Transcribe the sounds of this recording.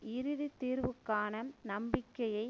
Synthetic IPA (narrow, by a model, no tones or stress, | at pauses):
ʔɪɾɯðit̪ːiːɾʋɯkːaːnɐnɐmbɪkːɐjɐɪ